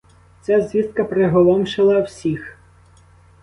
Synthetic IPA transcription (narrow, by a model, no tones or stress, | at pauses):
t͡sʲazʲʋʲiskɐpɾeɦɔlˠɔmʃɪlˠɐwsʲix